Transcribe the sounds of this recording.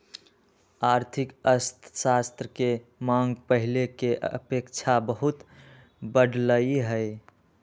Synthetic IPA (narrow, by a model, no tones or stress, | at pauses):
aɾt̪ʰikəst̪ʰsast̪ɾəkemãŋɡpəɦilekeʔə̰pekt͡ʃʰabəɦut̪ | bəɖʱləiɦəj